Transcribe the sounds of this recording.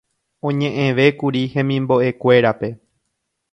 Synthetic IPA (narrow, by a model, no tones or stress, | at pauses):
õɲẽʔẽʋe̞kuɾihẽmĩmbo̞ʔe̞kʷe̞ɾape̞